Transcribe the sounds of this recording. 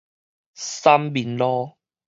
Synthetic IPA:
sa˦˥mbi˨˩˦nlɔː˦

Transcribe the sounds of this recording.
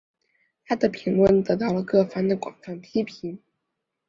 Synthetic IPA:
t̪ʰa˥d̪ə˨pʰi˧˥ŋlwə˥˩nt̪ɤ˧˥t̪ɑ˥˩ʊlə˩kɤ˥˩fɑ˥ŋd̪ə˨kwɑ̰˨˩ŋfa˥˩npʰi˥pʰi˧˥n

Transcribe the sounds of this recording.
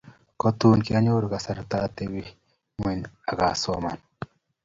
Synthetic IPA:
kɔ˦t̪u˦nki˦a˦ɲo˦ɾɡa˨sa˨ɾt̪a˦t̪e˦wi˦ | mwi˨na˨ɡa̰˨sɔ˦ma̰˨n

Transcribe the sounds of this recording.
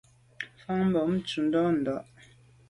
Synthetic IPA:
fa˦ŋm̩˦bɔ˨m̩˦t͡ʃu˨n̩˦dɔ˦n̩˨dɔ˨ʔ

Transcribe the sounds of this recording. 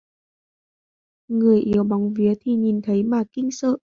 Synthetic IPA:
ŋɨ˨˩əjʔi˨˦əwɓɔ˨˦wŋ͡mvi˨˦ət̪ʰi˨˩ɲi˨˩nt̪ʰə˨˦jmaː˨˩kï˧ŋ̟sə̰ː˧˨ʔ

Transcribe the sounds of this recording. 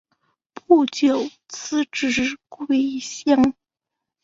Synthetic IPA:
pu˥˩t͡ɕjo˨˩ʊ | t͡sʰɹ̩˥ʈ͡ʂɻ̩˧˥kwe˥˩ɪɕjɑ˥ŋ

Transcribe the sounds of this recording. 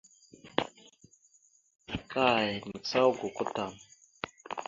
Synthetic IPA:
kʰa˦˨jmə˨sa˦wɡu˨ku˦ta˨m

